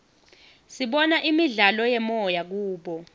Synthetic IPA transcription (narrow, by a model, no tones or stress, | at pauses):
siɓɔnaʔimiɮalɔjɛmɔjak̬uːɓɔ